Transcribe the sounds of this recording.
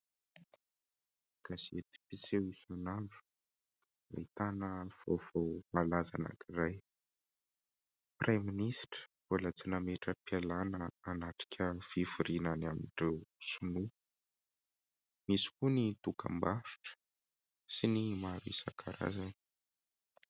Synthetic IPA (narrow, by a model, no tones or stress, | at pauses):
ɡ̥azet̪i̥pisewisiinaɳɖ͡ʐu̥ | a̰it̪anəv̥ov̥owmalazana̰kiɾaj | praminisʈ͡ʂə̥v̥olət͡sinameʈ͡ʂəpialanəanaʈ͡ʂi̥kʲʰəfivuɾinanamiɳɖ͡ʐewsunu | misi̥kunit̪ukʰə̰mbafi̥ʈ͡ʂə̥ | sinimaɾḭsa̰kʰaɾa̰zani̥